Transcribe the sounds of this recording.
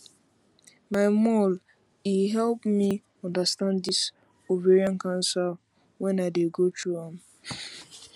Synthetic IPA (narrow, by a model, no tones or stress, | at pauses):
maɪmɔl | iɦɛlpmi | ɔ̃ndastãnddis | oveɹiãnkãnsɛ | wɛ̃naɪdeɡotʰuãm